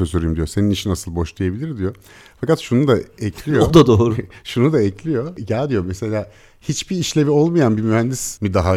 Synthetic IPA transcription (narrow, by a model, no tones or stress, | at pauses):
øsyɾyjumd̪ijo̞se̞niniʃinasɯlˠbo̞ʃlˠijebilʲiɾd̪ijo̞ | fakat̪ʃunud̪aɛclʲijood̪ad̪oːɾuʃunud̪aɛclʲijo̞ɟælʲd̪ijo̞mɛse̞lʲaː | hit͡ʃbiːʃlʲe̞vio̞lˠmajanbimyɦænd̪ismid̪aɦa